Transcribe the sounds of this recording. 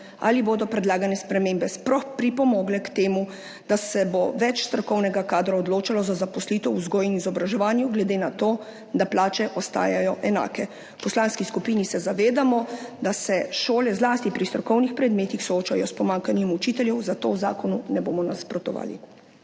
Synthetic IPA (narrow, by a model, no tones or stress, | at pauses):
a̰liboːd̪ɔpɾɛd̪laːɡanɛspɾɛmembɛsplɔxpɾipɔmɔːɡlɛkt̪eːmu | d̪̥asɛboʋɛt͡ʃst̪ɾɔkɔwnɛɡakaːd̪ɾaɔd̪loːt͡ʃalɔzazapɔslit̪ɛwuzɡoːjinizɔbɾaʒɛʋaːnjuɡlɛd̪eːnat̪oː | d̪aplaːt͡ʃɛʔɔst̪a̰ːjajɔʔɛna̰ːkɛ | pɔslanskiskupiːnisɛzaʋeːd̪amɔd̪asɛʃoːlɛzlaːst̪ipɾist̪ɾɔkɔwnixpɾɛd̪meːt̪ixsɔoːt͡ʃajɔspɔmãŋkanjɛmut͡ʃiːt̪ɛljɛwzat̪oːwza̰ːkɔnunɛboːmɔnaspɾɔt̪ɔ̰ʋa̰ːlḭ